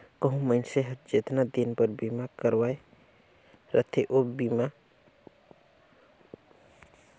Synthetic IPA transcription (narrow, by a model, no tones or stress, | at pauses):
kəɦũməɪnseɦəd͡ʒet̪nad̪inpəɾbimakəɾwae | ɾə̰t̪ʰeʔobima